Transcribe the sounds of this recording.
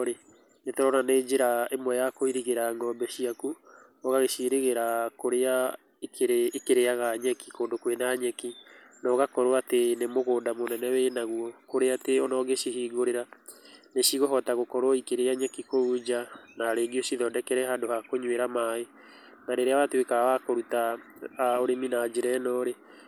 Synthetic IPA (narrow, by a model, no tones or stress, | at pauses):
ɾe | netɔɾɔɾaneːd͡ʒeɾaemwɛjakoiɾiɣeɾaŋɔmbɛʃiaku | ɔɣaɣeʃiɾeɣeɾakoɾea | ekeɾekeɾeaɣaɲɛki̥koːndokwenaɲɛki | nɔɣakɔɾoatenemoɣoːdamonɛnɛwenaɣuɔkoɾeateɔnɔɣeʃiɦiːɡoɾeɾaneʃiɣoɦɔtaɣokɔɾoikeɾeaɲɛkikoud͡ʒanaɾeːɡiosiðɔdɛkɛɾɛɦadohakoɲweɾamae | naɾeɾeawatewekawakoɾuta | oɾeminad͡ʒeɾɛnɔɾe